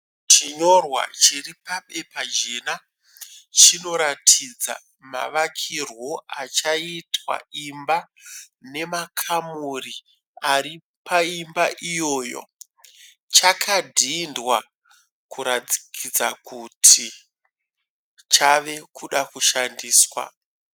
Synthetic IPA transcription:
t͡ʃiɲo̞rwa̰t͡ʃiripaɓe̞pad͡ʒeːna | t͡ʃino̞ɾatʰid͡za̰ | ma̰ʋakʰirwo̞at͡ʃaitwa̰imba | ne̞makʰamuri | ari | paimbaʔijo̞ːjo̞̰ | t͡ʃakʰadʱindwa | kuɾad͡zi̥kʰid͡zakutʰi | t͡ʃaʋe̞kuɗakuʃandiːswa̰

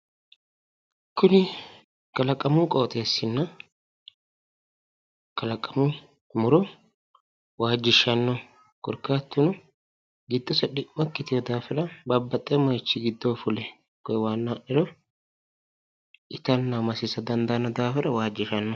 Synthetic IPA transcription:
kːʊnɪ | kɐlɐkʼːɐmʊkʼoːt̪ʼeːsɪnːɐ | kɐlɐkʼɐmu | mʊɾɔ | waːd͡ʒːɪʃɐnːɔ | kʊɾkːaːt̪ːʊnʊ | ɡɪd̪ːɔsɐᶑɪʔːɐkːɪt̪ɪjɔd̪aːfɪɾɐbɐbːɐt̪ʼːɛmɐjt͡ʃːɪɡɪd̪ːofʊlɛ | kɔjwaːnːaʔɪɾɔ | ɪt̪ɐnːɐmɐsɪsɐd̪ɐnd̪ɐnɐd̪aːfɪɾɐwaːd͡ʒːɪʃɐnːɔ

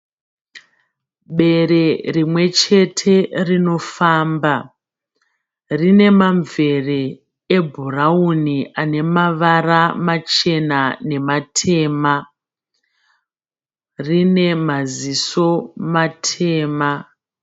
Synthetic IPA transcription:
ɓe̞ɾe̞rimwe̞t͡ʃe̞tʰe̞rino̞faːmba | rine̞maɱve̞re | ebʱurauniane̞maʋaramat͡ʃe̞nane̞matʰe̞ːma | rine̞maziso̞matʰe̞ːma

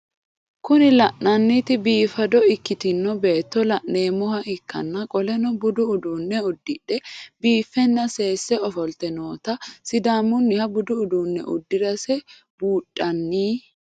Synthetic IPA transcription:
kʊnɪlɐʔnɐnːɪt̪ɪbiːfɐd̪ɔɪkːɪt̪ɪnːɔbe̞ːt̪ːɔlɐʔneːmɔhɐʔɪkːɐ̰nːɐkʼɔlɛnɔbʊd̪ʊʊd̪unːɛʊd̪ːɪᶑɛbiːfːɛnːɐse̞ːsːɛɔfɔlt̪ɛnoːt̪ɐsɪd̪aːmːʊnːɪhɐbʊd̪ʊʊd̪uːnːɛ̰ʔʊ̰d̪ːɪd̪ɐsɛ | b̥uːtʼːɐnːiː

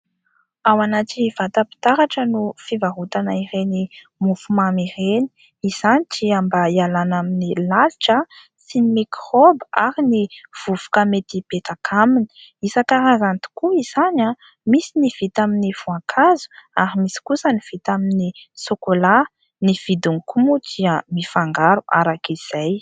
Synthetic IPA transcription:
awanaʈ͡ʂiv̥at̪əpi̥t̪aɾaʈ͡ʂənufivaɦut̪anaiɾeni | mufumamireni̥ | iz̥anit͡ʃiambaialanaminilaliʈ͡ʂə | sinimikrobaɾiniv̥uv̥u̥kamet̪ipet̪akʰamini̥isakaɾazant̪u̥kuiz̥ana | misiniv̥it̪aminiv̥uaŋkʰazu̥aɾimisi̥kusəniv̥it̪aminisokola | niv̥id̪uŋkumud̪iəmifaŋɡaɾuʔa̰ɾakiz̥aj

